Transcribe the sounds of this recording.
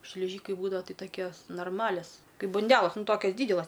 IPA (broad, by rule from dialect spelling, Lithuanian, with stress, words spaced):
ʃʲlʲɪˈʒʲiːkɐɪ ˈbuːdɐʋɐ ˈtɐɪ tɐˈkʲoːs noːrˈmɑːlʲɛs ˈkɐɪp bɐnʲˈdʲæːlˠɐs ˈnʊ ˈtoːkʲɛs ˈdʲiːdʲɛlˠɐs